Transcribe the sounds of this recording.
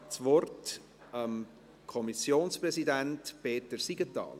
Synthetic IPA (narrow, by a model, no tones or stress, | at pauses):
t͡sʋɔrt | əm | kʰɔmisjoːnspɾɛsidæntpeːtəɾsiɡ̥ətɑ̰ːl